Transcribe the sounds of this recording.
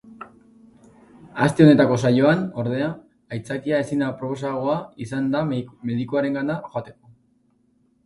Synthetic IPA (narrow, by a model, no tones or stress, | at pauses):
ast̪e̞o̞ne̞t̪ako̞s̬ajo̞ano̞ɾð̞e̞aː | jt͡sakiae̞sind̪apɾo̞po̞s̬aɣ̞o̞aisand̪ame̞ðikuaɾe̞ŋɡanaxoat̪e̞̥ko̞